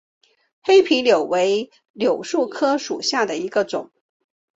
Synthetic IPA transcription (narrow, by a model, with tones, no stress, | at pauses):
xe˥ɪpʰi˧˥ljo˨˩ʊwe˧˥ɪ | ljo˨˩ʊʂu˥˩kʰɤ˥ʂu˨˩ɕja˥˩d̪ə˩i˧˥ɡə˧ʈ͡ʂʊ˨˩˦ŋ